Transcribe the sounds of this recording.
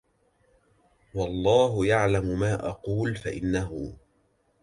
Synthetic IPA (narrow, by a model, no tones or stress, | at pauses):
wɑlˤːɑːɦʊjaʕlamʊmaːʔɑquːlfaʔɪnːaɦʊ̰